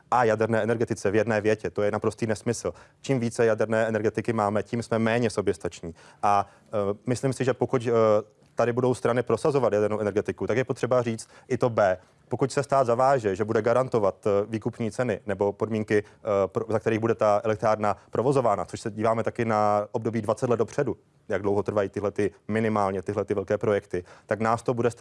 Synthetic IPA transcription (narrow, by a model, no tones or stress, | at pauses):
ʔajadɛɾnɛːɛnɛɾɡɛt̪ɪt͡sɛvjɛdnɛːvjɛcɛt̪o̞jɛnapɾo̞st̪iːnɛsmɪsl̩t͡ʃiːmviːt͡sɛjadɛɾnɛːʔɛnɛɾɡɛt̪ɪkɪmaːmɛciːmsmɛmɛːɲɛso̞bjɛst̪at͡ʃɲiːʔa | mɪslimsɪʒɛpo̞kuc | t̪adɪbudo̞wst̪ɾanɪpɾo̞sazo̞vat̪jadɛɾnowʔɛnɛɾɡɛt̪ɪkut̪akjɛpo̞t̪r̝̥ɛbariːt͡st̪ʔɪt̪o̞bɛː | pokucsɛst̪aːd̪zavaːʒɛʒɛbudɛɡaɾant̪o̞vat̪viːkupɲiːt͡sɛnɪnɛbo̞po̞dmiːŋkɪpzakt̪ɛɾiːɣbudɛt̪aʔɛlɛk̚t̪ɾaːɾnapɾo̞vo̞zo̞vaːnat͡so̞ʃsɛɟiːvaːmɛt̪akɪnaʔob̚do̞biːdvat͡sɛt̪lɛd̪̚do̞pr̝̥ɛdu | jaɡdlo̞wɦot̪r̩vajiːt̪ɪɦlɛt̪ɪmɪnɪmaːlɲɛt̪ɪɦlɛt̪ɪvɛlkɛːpɾo̞jɛkt̪ɪt̪aknaːst̪o̞budɛs